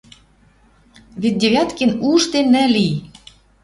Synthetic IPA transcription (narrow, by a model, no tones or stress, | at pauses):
βet̪̚ʲd̪ʲeβʲɑt̪kenuʃt̪enːɘ̆li